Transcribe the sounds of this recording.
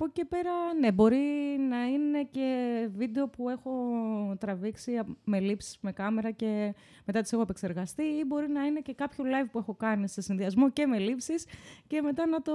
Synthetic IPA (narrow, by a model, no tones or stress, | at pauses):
poce̞pe̞ɾɐne̞bo̞ɾinɐine̞ce̞vid̪e̞o̞pue̞xo̞t̪ɾɐviksime̞lipsi̥zme̞kɐme̞ɾɐce̞ | me̞t̪ɐt̪isexoepekse̞ɾɣɐst̪iibo̞ɾinɐine̞ce̞kɐpço̞lɐivpue̞xo̞kɐnise̞sinðiɐzmo̞ce̞me̞lipsisce̞me̞t̪ɐnɐt̪o